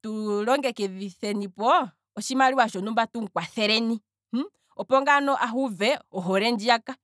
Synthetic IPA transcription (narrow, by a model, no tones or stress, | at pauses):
tulɔŋɡɛkɛðiθɛnipɔ | ɔʃimaliwaʃɔnumbatuŋ̩kwaθɛɾɛni | ɔpɔŋɡanɔʔaɦuvɛɔɦɔɾɛnd͡ʒiaka